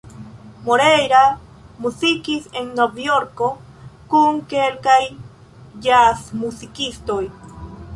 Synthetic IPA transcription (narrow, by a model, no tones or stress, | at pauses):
moɾejɾa | musikiseŋnobjoɾko̞ | kuŋkelkaj | d͡ʒasmusikist̪oj